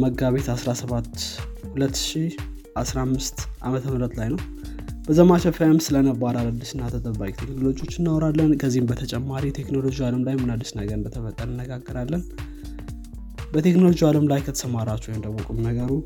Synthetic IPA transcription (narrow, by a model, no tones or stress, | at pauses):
məɡaβe̞t̪asɾasəβat̪hulət̪ːʃi | ʔasɾamːɨst̪ʔamət̪ʰəmɨɾət̪lajnəw | b̥əzəmat͡ʃəfajmsɨlənəbaɾalad̪ːiʃɨnːat̪ʰət̪ʼəβakʼt̪ʰe̞knolo̞d͡ʒiwo̞t͡ʃːɪnːawɾalːənkʰəzːihɨmbət̪ʰət͡ʃʼɛmːaɾit̪ʰe̞kno̞lo̞d͡ʒiwaləmlajmɨnad̪ːiʃnəɡəɾnb̪ət̪ʰəfət̪ʼːənəɨnːəɡaɡːəɾalːən | bət̪ʰe̞kno̞lo̞d͡ʒiwaləmlajkʰət̪ʰə̥səmaɾat͡ʃːujnd̪əβokʼumnəɡəɾu